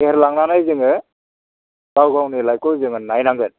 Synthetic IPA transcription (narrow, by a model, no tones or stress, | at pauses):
eɾlaŋnanajzɯŋɯ | bawɡawnilajkɔzɯŋɯnajnaŋɡɯn